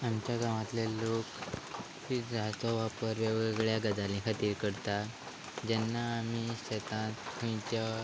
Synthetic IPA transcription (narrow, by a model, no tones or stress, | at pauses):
amt͡ɕjaɡaʋat̪lelok | fid͡zat͡sɔʋapəɾʋeɡeɡɭjaɡəd͡zalĩkʰat̪iːɾkəɽt̪a | d͡ʑɛnːaːm̤iɕet̪ãt̪kʰũj̃t͡ɕa